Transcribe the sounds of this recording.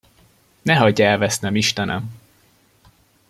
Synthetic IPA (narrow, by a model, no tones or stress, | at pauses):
nɛɦɒɟːɛlvɛsnɛmiʃt̪ɛnʔɛ̰m